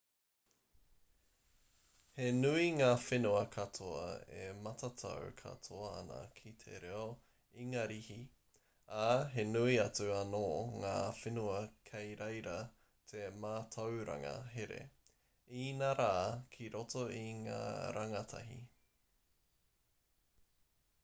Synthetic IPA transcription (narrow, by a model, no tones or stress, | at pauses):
henuiŋaːfenuɐkʰɐtʰoɐ̰ḛmɐtɐtʰɐ̰w̰kʰɐ̰tʰoɐɐ̰nɐ̰kʰitʰḛɾeo | iŋaːɾihi | aɦenuiɐt͡sʉɐnoːŋaːfenuɐkʰejɾejɾɐ | t̪ʰemaːtʰɐwɾɐ̰ŋɐ̰ɦeɾḛ | inaɾaːkʰiɾotoiŋa̰ːɾʔaŋɐtʰɐ̰ɦḭ